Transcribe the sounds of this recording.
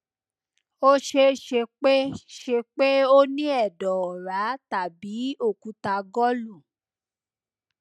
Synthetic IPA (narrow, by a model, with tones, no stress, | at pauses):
o˦ʃe˧ʃe˧k͡pe˦ʃe˧k͡pe˦o˦nĩ˦ɛ˦˨dɔ˨ɔ˨ɾa˨˦ta˨bi˨˦o˦˨kũ˨˦ta˧ɡɔ˦lu˦˨